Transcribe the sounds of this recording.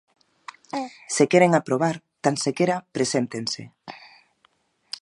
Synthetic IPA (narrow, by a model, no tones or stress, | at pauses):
sekeɾeŋapɾoβ̞aɾ | t̪ansekeɾapɾesent̪eŋse